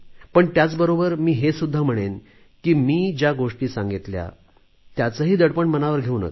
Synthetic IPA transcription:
pəɳt̪jat͡sbəɾobəɾmiːɦesud̪ʱːam̤əɽ̃en | kiːmiːd͡ʑjaɡoʂʈiːsãŋɡit̪lja̰ | t̪jat͡səɦiːd̪əɽpəɳmənaʋəɾɡʱeunə̰k

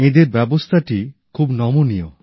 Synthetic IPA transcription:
ed̪eɾbɛbost̪ʰaʈikʰubnɔmunijo̰

